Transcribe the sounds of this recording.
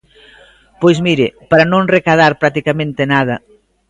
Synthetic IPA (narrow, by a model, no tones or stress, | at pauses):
pojzmiɾɪpaɾanõŋrekaðaɾpɾat̪ikamẽnt̪enað̞ɐ